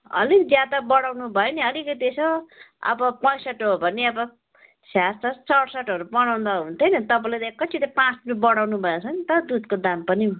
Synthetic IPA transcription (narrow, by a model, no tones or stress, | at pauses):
ʌ̰likd͡zjad̪abʌɽawnubʱʌjeniʌlikʌiesoʌ̰bʌpʌ̃jsʌʈoobʱʌnːiʌbʌ | sjast̪ʰʌt͡sʌɽsʌʈɦʌɾubʌɽaw̃nd̪ʌɦunt̪ʰʌjnʌt̪ʌpãlat̪ʌkʌt͡sʰit̪ʌpãt͡sd̪imibʌɽawnubʱʌet͡sʰʌnit̪ʌd̪ud̪kod̪ampʌni